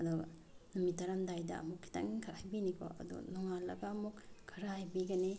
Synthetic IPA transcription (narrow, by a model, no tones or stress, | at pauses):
ɐduɡɐ̰ | numitɐɾamdajdɐ̰ɐ̰mukʰːi̥ta̰ŋiŋkʰɐɾajbinikʰo̰ʔɐ̰dṵnuŋalːɐɡaːmukkʰːɐɾaajbiɡɐni